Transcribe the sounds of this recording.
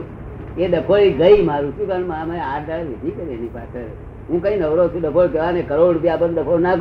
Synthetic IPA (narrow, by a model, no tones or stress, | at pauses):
eɗəpʰoiɡəimaɾũt͡ʃʰũkəɳmamaeaɾd̪aɭlʋid̪ʱikəɾienipa̰sʰə | ɦũkə̃ĩnəʋɾot͡ʃʰũɗəpʰokeʋanekəɾoɽbiapət̪ɗəpʰonaɡ